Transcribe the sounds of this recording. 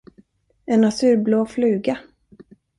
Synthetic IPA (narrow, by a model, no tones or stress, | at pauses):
ɛnasʉ̟ːɾbloːflʉ̟ːɡa